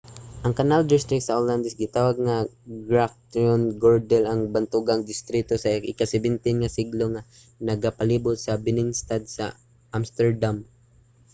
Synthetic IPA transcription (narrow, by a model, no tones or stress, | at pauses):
ʔɐŋkɐnald̪ɪst̪ɾɪkt̪̚sɐʔoland̪ɛsɡɪt̪aːwaɡ̚ŋaɡɹak̚t̪onɡoɹd̪ɛlɐŋbant̪uɡaŋd̪ɪst̪ɾit̪osɐʔɪkasɛbɪnt̪ɪnŋasɪɡloŋa | nɐɡapɐliːbʊt̪̚sɐbɪnɪnst̪ad̪̚sɐ̰ | ʔamst̪ɛɹd̪am